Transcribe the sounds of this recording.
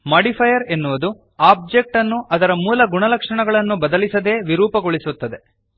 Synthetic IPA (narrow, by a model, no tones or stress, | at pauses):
mɐɖipʰɐjɐɾe̞nːuʋɐd̪u | aːb̚d͡ʒe̞k̚ʈɐnːuʔɐd̪ɐɾɐmuːlɐɡuɳɐlɐkʂɐɳɐɡɐɭɐnːubɐd̪ɐlisɐd̪e̞ːʋiɾuːpɐɡoɭisut̪ːɐd̪e̞